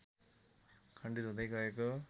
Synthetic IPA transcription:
kʰʌɳɖid̪ɦũd̪ʌjɡʌeko

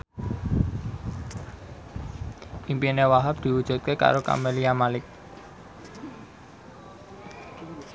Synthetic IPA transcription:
ʔimpinewaɦap̚d̪̥i̤wud̥ʒ̥ṳt̪̚keka̰ɾoka̰meliamalɪk̚

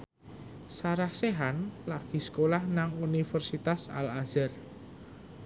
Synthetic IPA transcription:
saɾahseɦanlaɡ̥i̤sə̥kolahnaŋunifərsit̪asa̰lazɛr

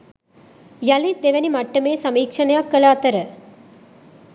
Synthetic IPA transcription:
jɐlid̪eʋɐnimɐʈːɐmeːsɐmiːkʂɐnɐjaːkːɐlaːt̪ɐɾɐ

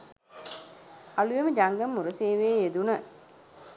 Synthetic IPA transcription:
alujeməd͡ʒaŋɡəmːuɾəseːʋeːed̪unə

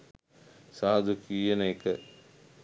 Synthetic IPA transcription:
saːd̪ʱukiːjɐnekɐ

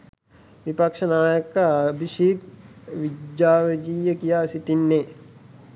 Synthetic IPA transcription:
ʋipɐkʂənaːjəkəɐbʱiʃiːk̪ʋid̪jaːʋɐd͡ʒiːjəkijaːsit̪inːe

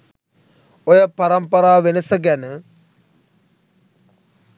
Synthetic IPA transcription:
ojəpaɾɐmpəɾaːʋenəsəɡænə

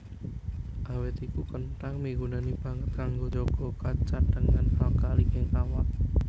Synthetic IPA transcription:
ʔawɪt̪ikukənʈaŋmiɡunanib̥a̤ŋət̪̚kaŋɡod͡ʒoɡ̥ɔ̤kat͡ʃad̥əŋanhalkalikɪŋawaʔ

